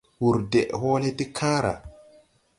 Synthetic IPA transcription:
wu˨ɾdɛ˨ʔhɔː˦le˦ti˦kʰaː˦ɾa̰˨

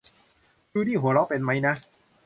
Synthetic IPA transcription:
t͡ɕuː˧niː˥˩ɦu˨˩˦ɐɾɔ˦˥wpe˧nma˦˥jna˦˥

